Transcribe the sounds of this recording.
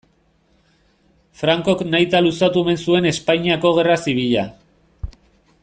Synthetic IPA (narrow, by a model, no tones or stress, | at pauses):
fɾaŋko̞knajt̪alusat̪uemensue̞ne̞spaɲiako̞ɣ̞e̞rasiβ̞iʎa